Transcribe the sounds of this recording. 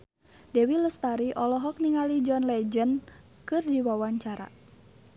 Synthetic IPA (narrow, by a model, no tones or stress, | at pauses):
dɛwiləst̪aɾiʔɔlɔɦɔk̚niŋalid͡ʒɔnlɛd͡ʒən | kɨrdiwawaɲt͡ʃaɾa̰